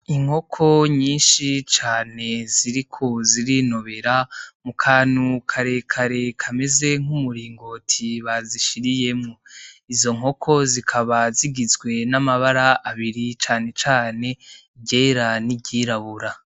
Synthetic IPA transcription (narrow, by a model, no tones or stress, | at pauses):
iŋ̥ho̞kʰo̞ɲiːnʃit͡ʃaːne̞ziɾikʰo̞ziɾino̞βe̞ɾamukʰaːnukʰaɾe̞kʰaɾe̞kʰame̞ze̞ŋ̥umuɾiːŋɡo̞tʰiβaziʃiɾije̞mŋoizo̞ŋo̞kʰo̞zikʰaβaziɡizɡwe̞namaβaɾaʔaβiɾit͡ʃaːne̞t͡ʃaːne̞ | bɟe̞ːɾanibɟiːɾaβuɾa